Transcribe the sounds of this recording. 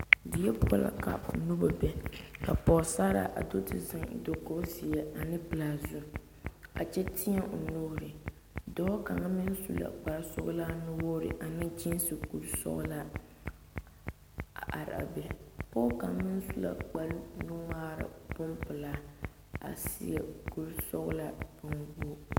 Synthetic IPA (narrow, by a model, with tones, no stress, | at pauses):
dɪ˨jɛ˦pɔ˦la̰˨ka̰˨nu˦ba˨bɛ˦ka˨pɔː˨sa˦ɾa̰˨ʔa̰˨do˦tɪ˨zɪ˨ŋ˨do˨ko˦si˨jɛ˦a˨nɪ˦pɨ˨laː˨zʊ˦˨ | a̰˨t͡ʃɛ˦tɪ˦ɛ˦ʔo˨noː˦ɾɪ˨ | dɔː˦ka˨ŋa˦mɪ˦n˦su˦la̰˨k͡pa˨ɾsɔ̰˦ɣlaː˦nʊ˦woː˦ɾɪ̰˨˦ʔa˨nɪ˦d͡ʒi˦n˦sɨ˨ku˨ɾsɔ̰˦ɣla˦˨ | a̰˨ɾɪ̰˨a̰˨bɛ˨pɔ˦ka˨˦mɪ˦n˦su˦la̰˦k͡pa˨lnu˦ŋaː˦ɾa̰˨bʊ˦mpɨ˨laː˦ | a̰˨sḭ˦ɛ̰˨ku˦ɾsɔ˦ɣla˦bʊ˨ŋɡo˦